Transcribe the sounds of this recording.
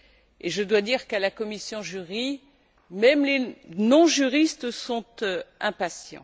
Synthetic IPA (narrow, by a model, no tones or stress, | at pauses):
eʒəd̪wad̪iʁkalakɔmisjɔ̃ʒyʁi | mɛmlenɔ̃ʒyʁist̪sɔ̃t̪ɛ̃pasjɑ̰̃